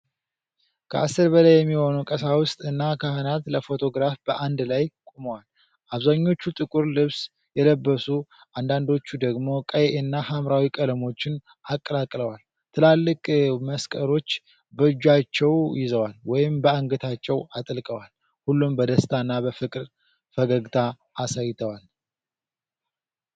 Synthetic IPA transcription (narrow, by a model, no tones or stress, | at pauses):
kʰəʔasːɨɾbəlajːɛmːiho̞nukʼəsawʊst̪ʼɨnːakʰəhɨnat̪ləfo̞t̪ʰo̞ɡɾafb̥əʔand̪lajkʼuməwal | ʔaβzaɲːo̞t͡ʃːut̪ʼɨkʼuɾlɨβs | jɛləbːəsu | ʔand̪and̪o̞t͡ʃːud̪əɡmo̞kʼəjeʔɪnːahamɾawikʼələmo̞t͡ʃːɪn | akʼːəlakʼləwal | t̪ʰɨlalːɨkʼməskʼəɾo̞t͡ʃː | bəɨd͡ʒːat͡ʃːɛwjɪzəwalwɔjɪmbəaŋɡət̪ʰat͡ʃːɛwat̪ʼlkʼəwal | hulːumbəd̪əst̪ʰanːabəfɨkʼɾ | fəɡəɡt̪ʰaː | sajɪt̪ʰəwal